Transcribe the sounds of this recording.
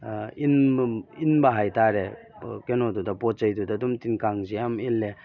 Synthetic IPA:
ininbaɦajtaɾe | kenɔdudapɔt̚zəjdudadumtinkaŋzijamilːe

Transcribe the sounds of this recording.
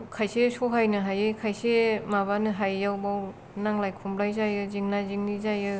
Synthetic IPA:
kʰajsesoɦʰajnɯɦajɯkʰajsemaβanɯɦajːawbaw | naŋlajkʰumblajzajɯziŋnaziŋnizajɯ

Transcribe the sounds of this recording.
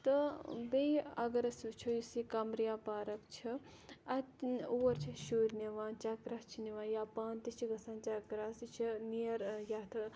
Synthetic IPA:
t̪ɨbejɐɡɐɾɐsit͡ʃʰujisikɐmɾijaːpaːɾɐkt͡ʃʰi | ɐt̪uʋɐɾt͡ʃʰiʃuːɾʲniʋãːnt͡ʃaːkɾaːst͡ʃʰiniʋaːjaːpaːnt̪it͡ʃʰiɡɐsãːnt͡ʃakɾaːsit͡ʃʰinijɐɾjaːt̪ʰ

